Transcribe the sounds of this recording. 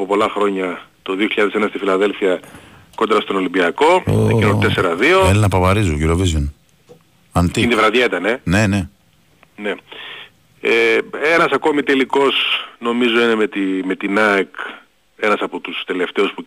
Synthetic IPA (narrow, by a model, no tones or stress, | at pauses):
opo̞lɐxɾo̞ɲɐ | t̪o̞ðio̞çiʎɐðesenɐst̪ifilɐðe̞lfiɐ | ko̞nd̪ɾɐst̪o̞no̞limbiɐko̞ḛinoe̞se̞ɾɐðio̞elinɐpɐvɐɾizociɾovizjon | ɐnt̪iind̪ivɾɐðjet̪ɐne̞ne̞ne | ne | eenɐsɐkomit̪e̞liko̞sno̞mizo̞ine̞met̪ime̞t̪inɐek | e̞nɐsɐpot̪ust̪e̞le̞ft̪e̞uspu